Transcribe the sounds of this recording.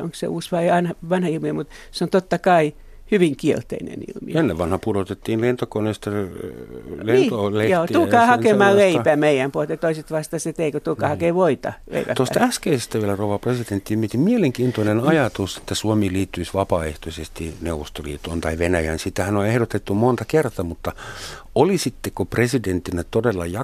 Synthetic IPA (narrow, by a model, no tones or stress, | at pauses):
o̰ŋksḛuːsʋɑiɑnɑʋɑnhɑilmiemut̪seont̪ot̪ːɑkɑi | hyʋiŋkiḛlt̪ḛinḛnḭlmḭenːeʋʋɑnhɑpuɾot̪et̪ːiːnlent̪okonest̪ɑ | lenːt̪olejoːt̪ulkɑːhɑkemɑːleipæmeijæmpuolet̪jɑt̪oiset̪ʋɑˑst̪ɑset̪eikot̪ulkɑhɑkeʋoit̪ɑ̰lḛipæ̰t̪ost̪ɑæskeisest̪æʋielærouʋɑpresident̪ːimiet̪imieleŋkiːnt̪onenɑjɑt̪use̥t̪ːæsuomiːliːt̪ːyisʋɑpɑːeht̪osʲest̪ineuʋost̪olḭːt̪oːnt̪ɑiʋenæjænsit̪ːæhænoehɾot̪et̪ːumont̪ɑkert̪ɑmut̪ːɑ | olisit̪ːekopresident̪ːinæt̪odelːɑjɑ